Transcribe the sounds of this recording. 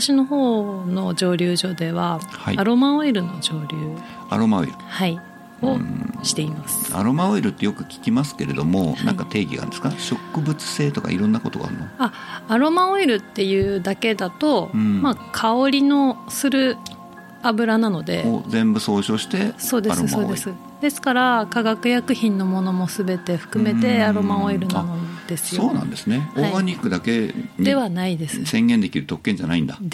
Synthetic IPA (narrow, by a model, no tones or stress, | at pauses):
aɕino̞ho̞ːno̞d͡ʑo̞ːɾʲɯːʑo̞d̪e̞βahaiaɾo̞maoiɾɯ̟no̞d͡ʑo̞ːɾʲɯː | a̰ɾo̞mao̰ḭɾɯ̟hai | oɕi̥t̪e̞imasɨ̥a̰ɾo̞maoiɾɯ̟t̪ːe̞jo̞kɯ̟̥kʲi̥kʲimasɨ̥ke̞ɾe̞d̪o̞mo̰nã̰ŋkat̪e̞ːɡʲḭɡa̰nd̪esɨ̥kaɕo̞kːɯ̟bɯ̟t͡sɨ̥se̞ːt̪o̞ka̰ḭɾõ̞nːako̞t̪o̞̰ɡa̰ɾɯ̟noaaɾo̞maoiɾɯ̟t̪ːe̞jɯ̟ːd̪ake̞d̪at̪o̞ɯ̃makʰaoɾʲino̞sɨɾɯ̟ | abɯ̟ɾanano̞d̪e̞̰o̰zẽ̞mbɯ̟so̞ːɕo̞ːɕi̥t̪e̞so̞ːd̪esɾoɨsoːd̪e̞sɨ | d̪̥e̞sɨ̥kaɾakaɡakɯ̟jakɯ̟çĩnːo̞mo̞no̞mo̞sɨbe̞t̪e̞ɸɯ̟̥kɯ̟me̞t̪e̞aɾo̞maoiɾɯ̟nanod̪̥e̞sɨ̥jooːnã̰nd̪e̞sɨneoɡaɲʲikːɯ̟d̪ake̞ɲd̪e̞βanaid̪e̞sɨsẽ̞ŋɡend̪e̞kʲiɾɯ̟t̪o̞kːẽ̞ɲ̟d͡ʑana̰ḭ̃nd̪a